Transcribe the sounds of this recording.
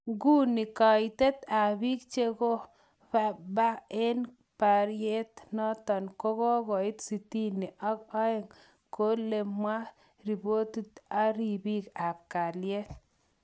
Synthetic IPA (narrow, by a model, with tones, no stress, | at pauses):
ɡu˦ni˨ka˨i˨t̪e˦t̪a˨bi˦k̚t͡ʃe˦ko˦ | pa˨ba˦e˦n | pa˨ɾje˦t̪nɔ˦t̪ɔ˨nko˦ko˦ɡɔ˨ɪ˦t̪si˨ti˦ni˨ʔa˦kɔ˦e˨ŋ | ko˦le˨mwa˦ | ɾi˨bo˦t̪u˦t̪a˦ɾi˨bi˦ka˨p̚ka˨lje˦t̪̚